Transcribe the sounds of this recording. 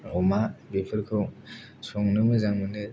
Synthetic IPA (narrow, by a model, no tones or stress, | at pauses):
ɾɔmabepʰɯɾkʰɯw | sɔŋnɯmɯzaŋmɯnɯ